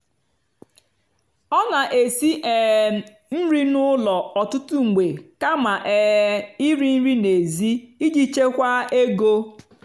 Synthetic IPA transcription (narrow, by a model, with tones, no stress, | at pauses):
ɔ˦na˨ʔe˨si˦ʔɛː˨ | n̩˦ɾi˦nʊ˦lɔ˨ɔ˨tʊ˦tʊ˦ŋ͡m̩˨ɡ͡be˨ka˦ma˨ʔɛ˨i˦ɾi˦n̩˦ɾi˦ne˨zi˦i˦d͡ʒi˦t͡ʃe˦kʷa˦e˦ɡo˦